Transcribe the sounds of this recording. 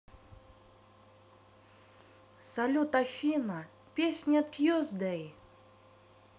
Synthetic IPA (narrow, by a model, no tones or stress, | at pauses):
sɐlʲut̪ɐfʲinɐ | pʲesʲnʲat̪kjɔzd̪ɛj